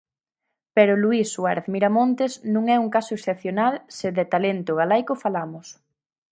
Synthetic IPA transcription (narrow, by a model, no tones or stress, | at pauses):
peɾʊluisːwaɾeθmiɾamont̪esnũŋɛuŋkasʊeksθep̚θjonalsɪðet̪alent̪ʊɣalajkofalamʊs